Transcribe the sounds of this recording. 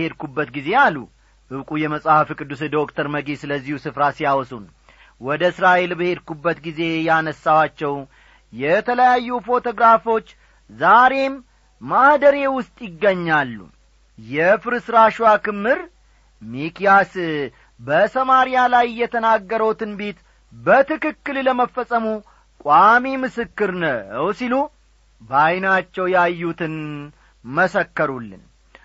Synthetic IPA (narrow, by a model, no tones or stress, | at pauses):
e̞d̪kubːət̪ɡize̞jalːu | ʔɨβkʼujɛməsʼahfɨkʼɨd̪ːus̬d̪o̞kt̪ʰəɾməɡisɨləzːihusɨfɾasijawɔsun | wɔd̪əɨsɾaʔe̞lbəhe̞d̪kubːət̪ɡize̞janəsːawat͡ʃːɛw | jɛt̪ʰələjajːufo̞t̪ʰo̞ɡɾafo̞t͡ʃː | zaɾe̞mː | ahd̪əɾe̞wʊst̪ʼjɪɡːəɲːalːṵ | jɛfɨɾɨsɾaʃwakɨmːɨɾ | mikijas | bəsəmaɾijalajjːɛt̪ʰənaɡːəɾəwt̪ʰɨnbet̪ | bət̪ɨkɨkːɨlləməfːəsʼəmu | kʷʼamimɨsɨkːɨɾnəwsilu | bajnat͡ʃːɛwjajːut̪ʰɨn | məsəkːəɾulːɨ̰n